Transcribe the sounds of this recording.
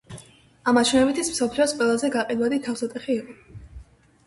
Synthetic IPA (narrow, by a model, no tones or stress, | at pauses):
amat͡ʃʰnɛbit̪ʰismsɔpʰliɔsqʼwɛlˠazɛɡaqʼid̪wad̪it̪ʰafsat̪ʼɛχiːqʼɔ